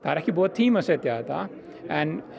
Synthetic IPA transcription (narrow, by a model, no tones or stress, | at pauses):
t̪aːɾakibɔːt̪ʰːiːmɐset̪jaːt̪a̰ | ɛ̃n